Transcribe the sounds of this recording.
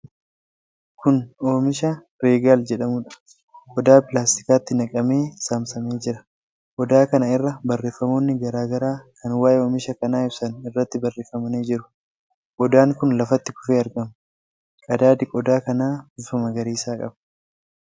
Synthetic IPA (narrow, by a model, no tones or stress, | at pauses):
kʊno̞ːmɪʃɐ | ɾeːɡaːld͡ʒɛᶑɐmʊᶑɐ̥ | kʼɔd̪aːpɪlaːst̪ɪ̥kaːt̪ːɪnɐkʼɐme̞ːsaːmsɐme̞ːd͡ʒɪɾɐ | ʔɔd̪aːkɐnɐɪrːɐbɐrːe̞ːfːɐmo̞ːnːɪɡɐɾaːɡɐɾaːkʰɐnwaːʔeoːmɪʃɐkɐnaːɪbsɐnɪrːɐt̪ːɪbɐrːeːfɐmɐneːd͡ʒɪɾʊ̥ | ʔɔd̪aːŋkʊnlɐfɐt̪ːɪkʊ̥feːɐɾɡɐm | kʼɐd̪aːd̪ɪkʼɔd̪aːkɐnaːbufɐmɐɡɐɾiːsaːkʼɐ̰bɐ̥